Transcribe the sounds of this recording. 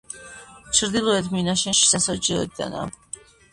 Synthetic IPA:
t͡ʃʰɾd̪ilˠɔɛt̪ʰminaʃɛnʃi̥sasɔd͡ʒɛɔ̰d̪a̰na̰

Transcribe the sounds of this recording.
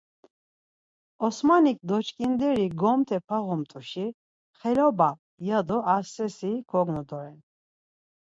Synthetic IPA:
ɔsmanik̚ʼd̪ɔt͡ʃkʼind̪ɛɾiɡɔmt̪ʰɛpʰaɣɔmt̪ʼuʃi | χɛlɔbam | jad̪ɔaɾsɛsikʰɔɡnud̪ɔɾɛn

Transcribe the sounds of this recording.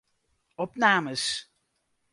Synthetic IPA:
ɔpnaːməs

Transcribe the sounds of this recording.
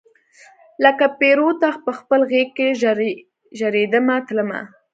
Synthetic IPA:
ləkapeɾot̪apəxpəlɣekːeʒ | ʒaɾed̪əmat̪ləma̰

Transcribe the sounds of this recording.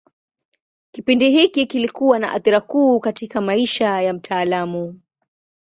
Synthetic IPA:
kipindiɦikikilikuwana̰ʔa̰θiɾakuːkatʰikamaiʃajam̩tʰaːlamu

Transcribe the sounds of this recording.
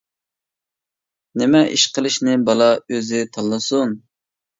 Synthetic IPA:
nɪmɛʔḭʃqəlˠɨʃnɪbɑlˠɑøzɪt̪ʰɑlˠːɨsun

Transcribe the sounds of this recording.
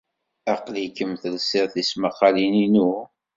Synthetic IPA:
æqlikːəmθəlsɪʁθisməqːɑlininu

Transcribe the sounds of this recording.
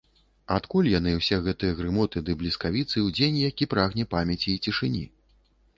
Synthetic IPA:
at̪kulʲjan̪ɨwsʲɛɣɛt̪ɨjɐɣɾɨmɔt̪ɨd̪ɨblʲiskavʲit̪sɨwd͡zʲenʲjakʲipɾaɣnʲɛpamʲɛt͡sʲiːt͡sʲiʂɨnʲi

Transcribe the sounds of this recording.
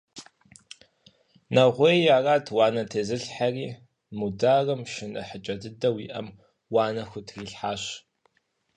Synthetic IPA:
nɐʁʷejaːraːtʰwaːnɐtʰeːzɨɬħariː | mudaːrɐmʃɪnɨ̰ħət͡ʃʼɐdɨdɐwiːʔɐ̰m | waːnɐxʷʊtʰriːɬħaːɕ

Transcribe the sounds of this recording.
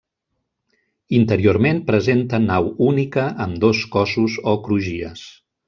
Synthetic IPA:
int̪əɾioɾmempɾəzent̪ənawunikəʔəmd̪oskɔsuzokɾuʒiə̰s

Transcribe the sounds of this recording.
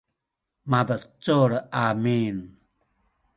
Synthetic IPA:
mabət͡soɾʔamin

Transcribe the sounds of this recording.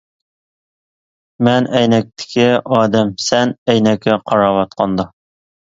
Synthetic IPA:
mænæjnæk̚t̪ɘ̥kɘɒd̪æmsænæjnækɘqɑɾɑwɑt̪̚qɑnd̪ɑ

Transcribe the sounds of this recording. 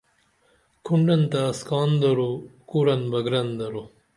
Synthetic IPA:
kʰuɳɖɐnt̪ɐːskɑːnd̪ɐɾokuːɾɐnbɐɡɾɐnd̪ɐɾo

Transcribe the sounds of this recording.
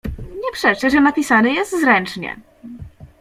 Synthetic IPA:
ɲɛpʂɛʂɛʐɛnapʲisanɘjɛst̪zɾɛnt͡ʂɲɛ̰

